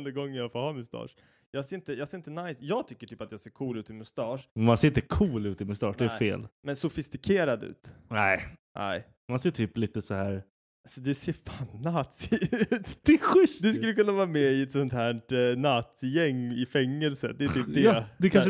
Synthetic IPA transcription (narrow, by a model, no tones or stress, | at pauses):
nd̪əɡɔŋːəjɑːfoːhɑːmɵst̪ʰɑ̰ːʂ | jɑːɡseːɾɪnt̪əjɑːɡseːɾɪnt̪ənajsjɑːɡ̚t̪ʰʏkːəʈʰyːpat̪jɑːseːɾkʰuːlʉ̟ːt̪ɪmʊst̪ɑːʂɛmanseːɾɪnt̪əkʰuːlʉ̟ːt̪ɪmɵst̪ɑ̰ːʂd̪ɛːfḛːlmɛnsʊfɪst̪ɪkʰeːɾad̪ʉ̰ːt̪nɛɪnʔɛ̰ɪ | manseːʈʰyːpliːt̪əsɔhæːɾ | asɔd̪ɵseːɾfaːnnaːt̪sːʉːt̪d̪̥ɛɧʏsd̪ɵs̬kɵlːjəkɵnːavɑːmɛɪɛt̪sɔnt̪hæːʈnat̪jɛŋːɪfɛŋːɛlsə̰d̪ɛjt̪ʰyːpd̪ɛd̪ɵkʰan